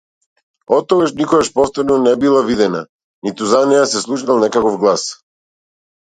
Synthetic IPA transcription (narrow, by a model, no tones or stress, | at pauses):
ɔt̪ːɔɡaʃnikɔɡaʃpɔft̪ɛnɔnɛbilˠavid̪ɛna | nit̪uzanijasɛslˠuʃnalˠnɛkakɔfɡlˠas